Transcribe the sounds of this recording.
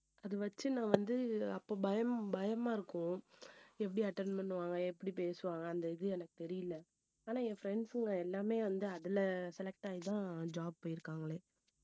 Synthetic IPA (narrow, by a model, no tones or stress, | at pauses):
ɐðɯʋɐt͡ʃːɯnãːʋɐnd̪ɯɐpːoːbɐjɐmbɐjɐmaːɪɾɯkːʊ̃ | ɛp̬ːɐɽiɐʈːɐɾnpɐɳːɯʋaːŋɡɐɛpːɐɽipeːsɯʋaːŋɡɐːnd̪ɐɪðɯɛnɐkːɯ̥t̪ɛɾɪjɪlːɐ | aːnãːẽːfɾɛɳɖsɯŋɡɐɛlːaːmeːʋɐnd̪ɯɐðɪlɐsɛlɛk̚ʈaːjɪt̪ãːd͡ʒaːb̚poːjɪɾɯkːaːŋɡɐleː